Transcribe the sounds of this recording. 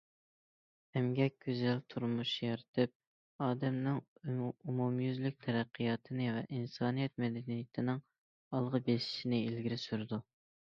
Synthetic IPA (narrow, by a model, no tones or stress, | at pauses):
hɛmɡʲɛk̚ʲɡ̥ʲøzɛlt̪ʰuɾmuʃjɑɾt̪ʰɨp̚ | ɑːd̪ɛmnɪŋumumjyzlyk̚ʲt̪ʰɛɾæqʰːijɑt̪ʰɨnɨvɛʔinsɑːnijɛt̪̚mɛd̪ɛnijɪt̪ʰɪnɪŋ | ɑlˠʁəbeʃi̥ʃinɪilɡʲiɾɪsyɾɨd̪u